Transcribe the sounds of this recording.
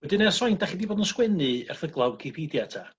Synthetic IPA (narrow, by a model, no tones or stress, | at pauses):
wɛdɨnɛsɔjntʰaχiːdiboːdənskwɛnɨɛ̰rθəɡlˠawkʰɪpʰidjatʰa